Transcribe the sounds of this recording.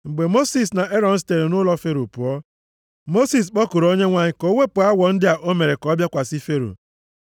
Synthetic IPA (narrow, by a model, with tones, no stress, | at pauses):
ŋ͡m̩˨ɡ͡be˨mo˦si˨s̬na˨ʔe˦ɾɔ˦˨n̩˦s̬i̥˦te˨ɾe˨nʊ˦lɔ˦fe˦ɾo˨pʊ˨ɔ˦ | mo˦si˨s̬k͡pɔ˦ku˨ɾo˦ɲe˦ŋʷa˦ɲɪ˦kɔ˨˦o˦ŋe˦pʊ˨a˦wɔ˨n̩˦dɪ˦a˨ʔo˦me˨ɾe˨kɔ˨˦bja˦kʷa˨si˦fe˦ɾo̰˨